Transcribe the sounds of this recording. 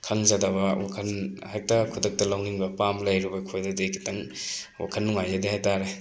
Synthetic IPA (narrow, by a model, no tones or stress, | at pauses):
kʰɐŋzadɐbɐwa̰kʰɐnhajk̚tɐkʰudɐk̚tɐlawŋiŋbɐpamlɐjɾibɐkʰojdɐdejkʰi̥tɐŋwa̰kʰɐnːuŋajadihajtaɾe